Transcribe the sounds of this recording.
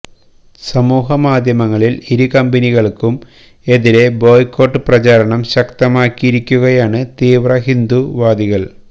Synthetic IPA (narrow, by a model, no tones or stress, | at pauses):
sɐmuːɦɐmaːd̪ʱjɐmɐŋːɐɭiliɾukɐmbɐniɣɐɭkum | e̞ðiɾe̞bo̞ːjkːo̞ːʈːɨprɐt͡ɕaːɾɐɳɐmɕɐkt̪ɐmaːkːiiɾikʲːuɣɐjaːɳɨt̪iːʋrɐɦind̪uʋaːd̪iɣɐɭ